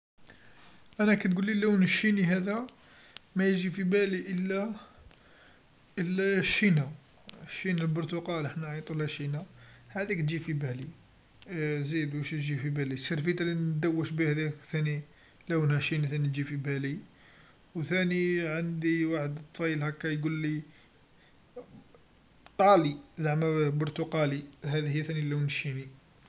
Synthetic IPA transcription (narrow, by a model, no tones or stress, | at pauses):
ʔænækæt̪̚ɡulːilæwnʃiniɦæd̪æ | mæjəʒifibæliʔəlːæ | ʔəlːæʃːinæ | ʃːinælbʊɾt̪uqɑlʔəħnæʕit̪ˤulhæʃinahæd̪ikt̪ʒifibæli | zid̪wæʃiʒifibælisəɾˤfit̪ælin̚d̪əwːəʃbihæd̪ikθæni | læwənhæʃiniθænit̪ʒifibæli | wθæniʕənd̪iwaħəd̪t̪ːˤfɑjəlhækːæjɡulːi | t̪ˤɑlizaʕmæbʊɾt̪uqɑliɦæd̪ihəjːæθænilæwnʃini